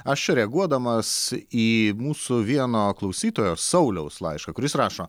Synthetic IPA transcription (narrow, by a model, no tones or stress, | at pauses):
ɐʃt͡ʃʲɛɾʲɛɐɡuɔd̪ɐmɐsiːmuːsʊʋʲiɛnoːklˠɐʊsʲiːt̪oːjoːsɐʊlʲɛʊslˠɐ̰ɪʃkɐkʊɾʲɪsɾɑːʃoː